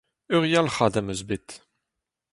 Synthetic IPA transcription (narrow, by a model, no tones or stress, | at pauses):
øʁjalχad̪amøzbet̪